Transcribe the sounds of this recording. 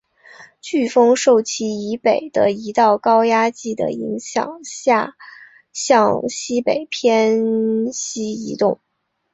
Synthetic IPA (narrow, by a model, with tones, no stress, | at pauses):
t͡ɕy˥˩fɤ˥ŋʂo˥˩ʊt͡ɕʰi˥i˧˥pe˨˩ɪd̪̥ə˦i˧˥t̪ɑ˥˩ʊkɑ˥ʊja˥t͡ɕi˥˩d̪ə̰˩ḭ˧˥ŋɕjɑ̰˨˩ŋɕja˥˧ | ɕjɑ˥˧ŋɕi˥pe˨˩ɪpʰjɛ˥nɕi˥i˧˥t̪ʊ˥˩ŋ